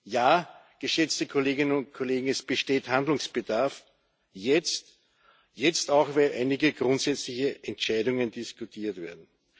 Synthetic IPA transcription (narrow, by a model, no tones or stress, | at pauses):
jaː | ɡ̥əʃɛt͡stəkʰoleːɡɪnənʊnt̚kʰoleːɡŋ̩ɛsb̥əʃteːthandlʊŋsb̥ədaɐf | jɛt͡st | jɛt͡staʊxvɛɪlʔa̰ɪnɪɡəɡʁʊ̃ntsɛt͡slɪçəʔɛntt͡ʃæɪdʊŋəndɪskʊtʰiːɐtvḛːɐdn̩